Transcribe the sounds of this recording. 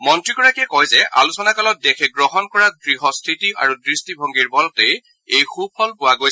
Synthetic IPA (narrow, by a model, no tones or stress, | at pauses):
mɔntɹiɡɔɹakiɛkɔjzɛʔa̰lusɔnakalɔt̚dɛxʰɛɡɹɔɦɔnkɔɹadɹiɦɔstʰitia̰ɹudɹistibʱɔŋɡiɹbɔlɔtej | ejxup̚ʰɔlpʊwaɡoj